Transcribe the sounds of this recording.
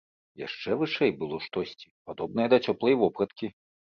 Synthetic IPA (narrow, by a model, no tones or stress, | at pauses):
ja̰ʂt͡ʂɛvɨʂɛjbɨlˠɔʂt̪ɔsʲt͡sʲi̥pad̪ɔb̚nɐjɐd̪ɐt͡sʲɔplˠɐjvɔpɾɐt̪kʲi